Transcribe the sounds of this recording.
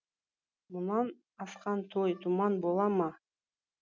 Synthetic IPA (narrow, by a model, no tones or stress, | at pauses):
munɑn | ɑsqɑnt̪ʰojt̪ʰumɑnbolˠɑmɑ